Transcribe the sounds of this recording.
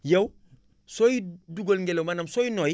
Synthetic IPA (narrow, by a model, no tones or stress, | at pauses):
jew | sojiduɡolŋɡelowmanɐmsojinɔj